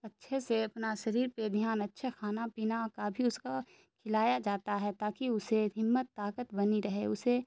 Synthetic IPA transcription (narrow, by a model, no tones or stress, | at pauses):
ɐtːʃʰeseɐpnaʃɐɾiːɾped̪ʱjaːnɐtːʃʰexaːnapiːnakabʱiʊska | kʰɪlaːjad͡ʒaːt̪aɦɛt̪aːkiʊseɦɪmːət̪ːaːkət̪bɐniɾɐɦeʊse